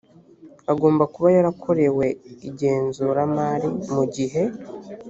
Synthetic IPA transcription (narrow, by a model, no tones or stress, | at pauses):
aɡo̞ːmbakuβajaɾakʰo̞ɾe̞we̞iɟe̞ːnzuːɾamaːɾimuɟiɦe̞